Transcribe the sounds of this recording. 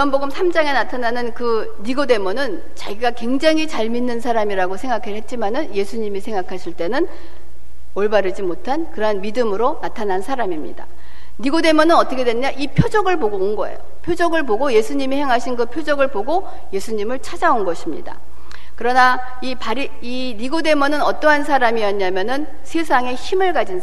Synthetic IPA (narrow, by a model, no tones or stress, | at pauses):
ʌnboɡɯmsʰamd͡ʑaŋe̞natʰananɯnkɯ | niɡode̞monɯn | t͡ɕa̰ɡiɡakwe̞ŋd͡ʑaŋit͡ɕaɭminːɯnsʰaɾamiɾaɡosʰe̞ŋɡakʰeɭɦe̞t̚t͡ɕ͈imanɯnje̞sʰuɲimisʰe̞ŋɡakʰaɕʰiɭt͈e̞nɯn | oɭbaɾɯd͡ʑimotʰankɯɾʌnmidɯmɯɾonatʰanansʰaɾamimɲḭda̰ | niɡode̞mʌnɯnʌt͈ʌkʰedweɲaʔipʰjod͡ʑʌɡɯɭboɡonɡʌḛjopʰjod͡ʑʌɡɯɭpoɡoje̞sʰuɲimihe̞ŋɦaɕʰinkɯpʰjod͡ʑʌɡɯɭpoɡo | je̞sʰuɲimɯɭt͡ɕʰad͡ʑaonɡʌɕʰimɲḭda̰ | kɯɾʌna | ipaɾi | i | niɡode̞mʌnɯnʌt͈ʌɦansʰaɾamiʌɲamjʌnɯn | sʰes̬ʰaŋe̞çimɯɭɡad͡ʑin